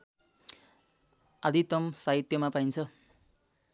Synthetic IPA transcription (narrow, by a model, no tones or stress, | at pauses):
ad̪ʱit̪ʌmsaɦit̪jʌmapaint͡sʰʌ